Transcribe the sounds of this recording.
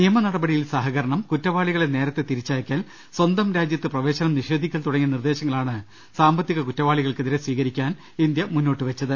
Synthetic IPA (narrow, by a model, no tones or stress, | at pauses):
nijɐmɐnɐɽɐbɐɽijilsaːɦɐɣɐɾɐɳɐmkutːɐʋaːɭiɣɐɭene̞ːɾɐt̪ːe̞t̪iɾit͡ɕːaːɐkʲːaːl | swɐnd̪ɐmɾaːd͡ʑjɐt̪ːɨprɐʋe̞ːɕɐnɐmniʂe̞ːd̪ʱikʲːɐlt̪uɽɐŋːiɐnird̪e̞ːɕɐŋːɐɭaːɳɨ | saːmbɐt̪ːiɣɐkutːɐʋaːɭiɣɐɭkeðiɾesʋiːɣɐɾikʲːaːn | ind̪jɐmunːo̞ːʈːɨʋet͡ɕːɐðɨ